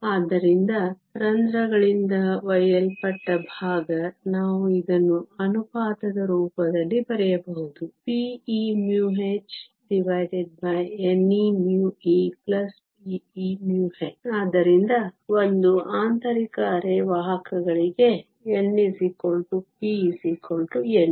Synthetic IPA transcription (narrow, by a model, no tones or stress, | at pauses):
aːd̪ːɐɾind̪ɐ | ɾɐnd̪ɾɐɡɐɭind̪ɐʋɐjɐlpɐʈːɐbʱaːɡɐnaːʋuid̪ɐnːuɐnupaːt̪ɐd̪ɐɾuːpɐd̪ɐlːibɐɾɛjɐbɐɦud̪upiːimjuːɦet͡ʃ | ɖiʋɐjɖeɖ̚bɐjenːinjuːiːplɐspiimjuːɦet͡ʃaːd̪ɐɾind̪ɐond̪uʔaːnt̪ɐɾikɐːɾeʋaːɦɐkɐɡɐɭiɡe̞ | enːisikoɭʈupiːsikoɭʈuenː